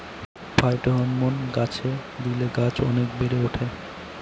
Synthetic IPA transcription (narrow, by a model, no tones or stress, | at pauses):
bʱajʈoɦɔmːonɡat͡ɕʰed̪ileɡat͡ɕɔ̰nekbeɾeuʈʰe